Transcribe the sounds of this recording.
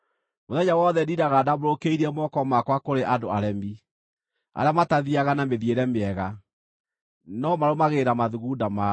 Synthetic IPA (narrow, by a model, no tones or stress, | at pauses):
moðɛɲawɔðɛdiɾaɣadaboɾokeiɾiɛmɔkɔmakwakoɾeʔadoaɾɛmbi | a̰ɾamataðiaɣanameðieɾɛmeɛɣa | nɔmaɾomaɣeɾamaðuɣudama